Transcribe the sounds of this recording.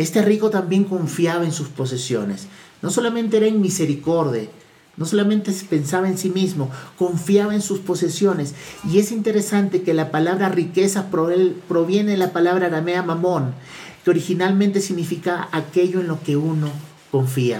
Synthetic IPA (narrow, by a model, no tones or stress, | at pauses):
e̞st̪e̞riko̞t̪ambje̞ŋko̞ɱfjaβaensuspo̞se̞sjo̞̰ne̞sno̞so̞lamẽ̞nt̪e̞eɾaeŋmise̞ɾiko̞ɾðja | no̞so̞lamẽ̞nt̪e̞se̥pe̞nsaβaensimizmo̞ko̞ɱfjaβaensuspo̞se̞sjo̞ne̞sie̞sint̪e̞ɾe̞sant̪e̞ke̞lapalaβɾarike̞sapɾoepɾo̞βje̞neðelapalaβɾaɾameamamõ̞ŋ | keo̞ɾixinalmẽnt̪e̞siɣnifikaːke̞ʝo̞enlo̞ke̞uno̞ | ko̞ɱfia̰